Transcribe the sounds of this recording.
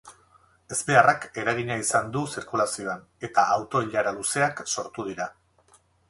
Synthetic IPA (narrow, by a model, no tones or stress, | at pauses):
e̞z̥be̞arake̞ɾaɣ̞iɲaisand̪usiɾkulasio̞an | e̞t̪aawt̪o̞iʎaɾaluse̞akso̞ɾt̪uð̞iɾa